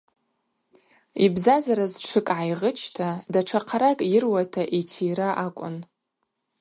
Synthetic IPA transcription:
ibzazaɾazʈ͡ʂʰɨkʼʕajʁət͡ʃʰtʰadaʈ͡ʂʰaqʰaɾakʼjɪrwatʰaʔitʰijɾaʔakʷʼʊ̰n

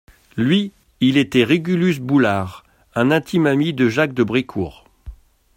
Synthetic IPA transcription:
lɥi | ilet̪ɛʁiɡʲylysbulaːʁ | ɛ̃nɛ̃t̪ʰimamid̪əʒak̚d̪əbʁikʰṵːʁ

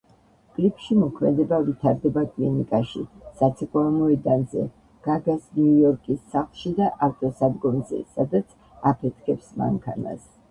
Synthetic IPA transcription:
kʼlipʰʃimɔkʰmɛ̰d̪ɛbavit̪ʰaɾd̪ɛbakʼlinikʼaʃḭsat̪sʰɛkʼwamɔɛd̪anzɛ̰ | ɡ̥aɡasniujɔɾkʼisːaχlˠʃid̪aʔaɾt̪ʼɔsad̪ɡɔmzɛ̰sad̪at̪sʰ | apʰɛt̪ʰkʰɛpsma̰ŋkʰana̰s

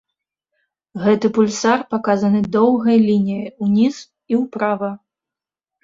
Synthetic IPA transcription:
ɣɛt̪ɨpulʲsarpakazɐnɨd̪ɔwɣɐjlʲinʲijɐjunʲiz | iwpɾavɐ

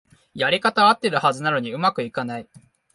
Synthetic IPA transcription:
jaɾʲikat̪aβat̪ːe̞ɾɯ̟hazɨnano̞ɲ̟iɯ̟makɯ̟ikanai

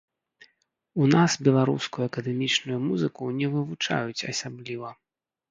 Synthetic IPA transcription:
unasbʲɛlˠaɾṵskujuɐkɐd̪ɛmʲit͡ʂnujumuzɨkunʲɛvɨvut͡ʂa̰jut͡sʲɐsʲablʲivɐ

